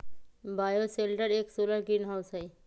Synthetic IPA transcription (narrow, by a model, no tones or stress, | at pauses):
bajoselʈaɾeksolaɾkinɦawsɦaj